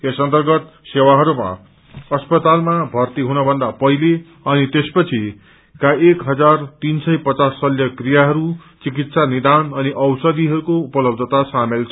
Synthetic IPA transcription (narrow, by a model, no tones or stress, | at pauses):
esʌnt̪ʌrɡʌt̪ | sewaɦʌɾuma̰ | ʌspʌt̪almabʱʌrt̪iɦunʌbʱʌnd̪apʌɦile | ʌnit̪espʌt͡sʰi | kaekɦʌd͡zart̪insʌjpʌt͡sasːʌljʌkrijaɦʌɾut͡sikit̪sanid̪anʌniʔʌwsʌd̪iɦʌɾukoupʌlʌb̚d̪ʱʌt̪asamelt͡sʰʌ